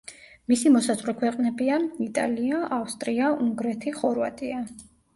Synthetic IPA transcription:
misimɔsazʼʁɾɛkʰwɛqʼnɛbiait̪ʼa̰liaʔafst̪ʼɾiaʔuŋɡɾɛt̪ʰiχɔɾva̰t̪ʼia

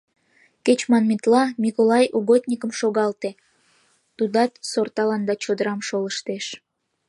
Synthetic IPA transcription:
ket͡ɕmɑnmit̪lɑmʲikolɑjuɣot̪ʲnʲikəmʃoɣɑlt̪e | t̪ud̪ɑt̪sort̪ɑlɑnd̪ɑt͡ɕod̪əɾɑmʃoləʃt̪eʃ

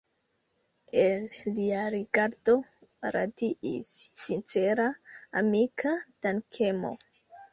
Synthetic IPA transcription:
elːiaɾiɡaɾd̥o̞ɾa̰diʔḭsːint͡seɾaːmikʰad̥ankʰemo̞̰

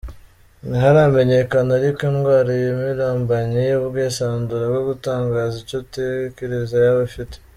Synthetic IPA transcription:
naɦaɾame̞ɲe̞kanaaɾikenɡwaːɾajomiɾaːmbaɲijobɡeːsaːnduɾaɡɡoɡutaːŋɡaːzicotekeɾezajaβafite̥

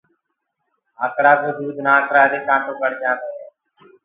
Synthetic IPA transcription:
aːkɽaːbʱəd̪uːd̪nãːkɾaːd̪eːkãːʈõːkəɽd͡ʒãːte

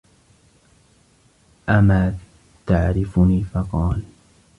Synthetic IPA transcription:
ʔamaː | t̪aʕɾɪfniːfɑqɑːl

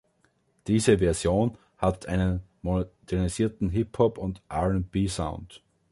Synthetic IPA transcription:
d̥iːzəvɛɐzjoːn | hatʰʔaɪnənmod̥ɛɐnisiːɐtn̩ɦɪphɔpʊntʔaʁɛnb̥iːsã̰ʊ̃nt

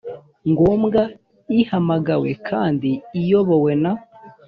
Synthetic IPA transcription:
ŋɡoːmɡa | ihamaɡawḛkʰaːndiːjo̞βo̞we̞naho

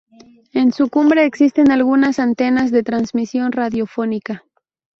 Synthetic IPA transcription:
e̞nsukumbɾe̞ːksist̪e̞nalɣunasant̪e̞nazðe̞t̪ɾanzmisjo̞nraðjo̞fo̞nika

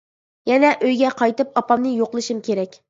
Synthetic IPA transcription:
jɛnɛʔøjɡʲɛqʰɑjt̪ɨp̚ɑpɑmnɨjoqlˠɨʃɨmkʲʰeɾɛkʲ

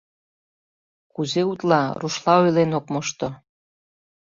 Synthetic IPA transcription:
kuzeut̪lɑruʃlɑojlenokmoʃt̪o

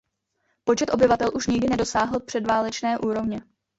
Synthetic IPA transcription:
po̞t͡ʃɛt̪ʔo̞bɪvat̪ɛlʔuʃɲɪɡdɪnɛdo̞saːɦl̩pr̝̥ɛdvaːlɛt͡ʃnɛːʔuːɾo̞vɲɛ

